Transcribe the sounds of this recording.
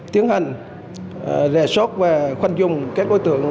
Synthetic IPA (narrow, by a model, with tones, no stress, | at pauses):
t̪i˨˦əŋɦa˨˩jŋ̟ | zɛ̰˧˩sɔ˦˥t̚vaː˨˩xwa˧jŋzʊ˨˩ŋ͡mka˦˥t̚ɗo˨˦jt̪ɨ̰˧˨əŋ